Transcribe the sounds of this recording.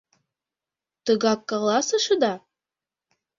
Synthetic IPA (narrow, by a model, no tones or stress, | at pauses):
t̪ɤ̆ɣɑkːɑlˠɑsɤ̆ʃɤd̪ɑ